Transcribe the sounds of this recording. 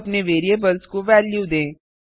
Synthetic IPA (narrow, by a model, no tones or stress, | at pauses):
pneʋeːɾiebɐlskoʋɛːljuːd̪ẽː